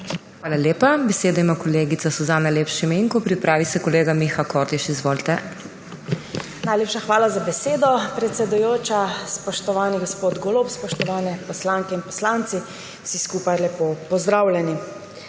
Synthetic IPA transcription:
xʋaːlaljeːpabɛseːd̪ɔimakɔleːɡit̪sasuzanajleːpʃimeːŋkupɾipɾaːʋisɛkɔleːɡamixakoːɾd̪iʃizʋoːlt̪ɛ | najleːpʃaxʋaːlazabɛseːd̪ɔpɾɛt̪sʲɛd̪ujoːt͡ʃaspɔʃt̪ɔʋaːniɡospoːd̪ɡolopspɔʃt̪ɔʋaːnɛpɔslaŋkɛinpɔslant̪si | w̥siskuːpajlɛpopɔzd̪ɾaːwlʲɛni

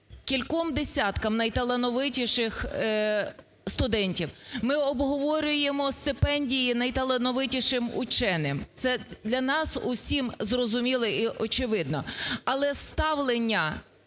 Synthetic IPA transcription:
kʲilʲkɔmd̪esʲɑt̪kɐmnɐjt̪ɐlˠɐnɔʋɪtʲiʃɪx | st̪ʊd̪ɛnʲtʲiwmɪɔbɦɔʋɔɾʲʊjemɔst̪ɪpɛnʲdʲijinɐjt̪ɐlˠenɔʋɪtʲiʃɪmʊt͡ʃɛnɪmt̪sɛd̪lʲɐnɑsʊsʲimzrɔzʊmʲilˠɔiʔɔt͡ʃɪʋɪd̪̚nɔ̰ɐlˠɛst̪ɑwlˠenʲːɐ

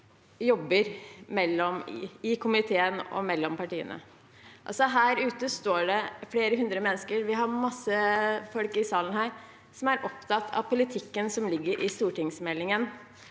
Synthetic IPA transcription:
jɔbːəɾmɛlːɔmɪkʰʊmɪt̪ʰeːənɔ̰mɛlːɔmpɑʈiːə̰nə̰ | ʔɑ̰lsɔɦæːɾʉːt̪əst̪oːɖɛfleːɾəɦʉnd̪ɾəmɛnːəskəɾʋɪɦɑmɑsːəfɔlkɪsɑːlənhæːɾ | sɔmæɾʔɔpt̪ʰɑt̪ʰːɑ̰ʋpʰʊlɪt̪ʰɪkːənsɔmlɪɡːəɾʔɪst̪uːʈɪŋsmɛlːɪŋən

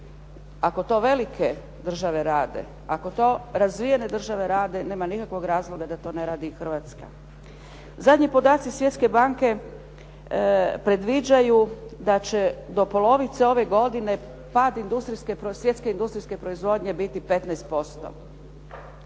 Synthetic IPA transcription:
ako̞t̪o̞ʋe̞likʰe | d̪r̩ʒaʋe̞ɾaːd̪ḛ | ako̞t̪o̞ːɾazʋije̞ne̞d̪r̩ʒaʋe̞ɾaːd̪e̞ne̞ːmanikakʋo̞ɡɾaːzlˠo̞ɡad̪at̪o̞ːne̞ɾaːd̪ixr̩ʋat̪ska̰ | zad̪ʲɲipo̞d̪aːt̪sisʋje̞t̪ske̞baŋke̞ | pɾe̞d̪ʋid͡ʒajud̪at͡ɕed̪o̞po̞lo̞ʋit̪seo̞ʋe̞ɡo̞d̪ine̞ | paːd̪ind̪ust̪ɾiskepɾosje̞t̪ske̞ind̪ust̪ɾiske̞pɾo̞izʋo̞d̪ɲe̞bit̪ipe̞t̪nɛjst̪̚po̞st̪o̰

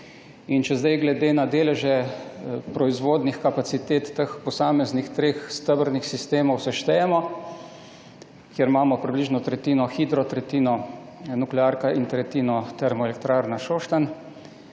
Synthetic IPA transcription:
int͡ʃɛzd̪ajɡlɛd̪eːnad̪eːlɛʒɛ | pɾɔizʋoːd̪nixkapat̪sit̪eːt̪ːəxpɔsaːmɛznixt̪ɾeːxst̪əbəɾnixsist̪eːmɔwsɛʃt̪ɛjɛmɔ | kjeɾmaːmɔpɾibliʒnɔt̪ɾɛt̪iːnɔxid̪ɾɔt̪ɾɛt̪iːnɔ | nuklɛaːɾkaʔint̪ɾɛt̪iːnɔt̪ɛɾmɔɛlɛkt̪ɾaːɾnaʃoːʃt̪an

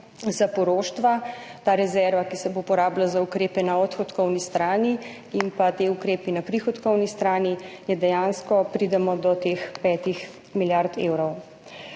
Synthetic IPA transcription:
zapɔɾoːʃt̪ʋat̪aːɾɛzɛɾʋakisɛboupɔɾaːblazaukɾeːpɛnaɔt̪xɔt̪kɔwnist̪ɾaːni | impat̪eukɾeːpinapɾixɔt̪kɔwnist̪ɾaːnijɛd̪ɛjaːnskɔpɾid̪ɛmɔd̪ɔt̪eːxpɛːt̪ix | miljaɾt̪ḛːwɾɔw

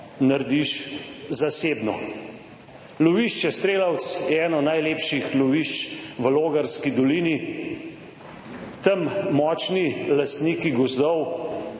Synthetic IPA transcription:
naɾd̪iʃzaseːbnɔ̰ | lɔʋiʃt͡ʃjɛst̪ɾeːlawt̪sjɛɛnɔnajleːpʃixlɔʋiʃt͡ʃʋəloːɡaɾskid̪ɔliːni | t̪əmːɔːt͡ʃnilast̪niːkiɡɔzd̪ɔw

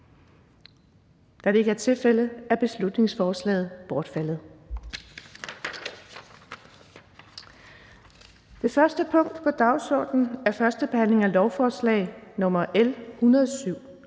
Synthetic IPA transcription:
d̥ɑ̈le̝eɡ̥ɐɐt͡sʰe̝lfel̰əðæɐb̥e̝slud̥ne̝ŋsfɒːslɛ̰ːð̞̩ˠb̥ɒːd̥fæl̰ð̞̩ˠ | d̥e̝fɶɐsd̥əpʰɔ̽ŋ̰d̥pʰɒ̽d̥ɑ̈ʊsɒ̰ːd̥n̩æɐfɶɐsd̥əb̥e̝hæn̰le̝ŋælɒʊfɒːslɛ̰ːɪnɔ̽mɐʔelhunɐðˠsyʊ̰

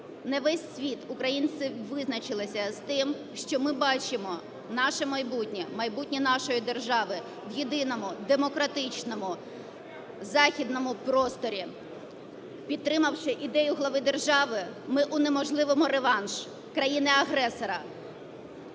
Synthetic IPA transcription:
nɛʋɛsʲːʋʲit̪ʊkɾɐjint̪sɪʋɪznɐt͡ʃɪlˠɪsʲɐst̪ɪm | ʃt͡ʃɔmɪbɑt͡ʃɪmɔ | nɑʃɛmɐjbutʲnʲimɐjbutʲnʲinɑʃɔjid̪e̞rʒɑʋɪ | wjid̪ɪnɔmʊd̪emɔkɾɐt̪ɪt͡ʃnɔmʊ | zɑxʲid̪nɔmʊpɾɔst̪ɔɾʲi | pʲidt̪̚t̪ɾɪmɐwʃɪʔid̪ɛjʊɦlˠɐʋɪd̪e̞rʒɑʋɪmɪʔʊnemɔʒlˠɪʋɔmʊɾeʋɑnʒ̥ | kɾɐjinɪɐɦɾɛsɔɾɐ

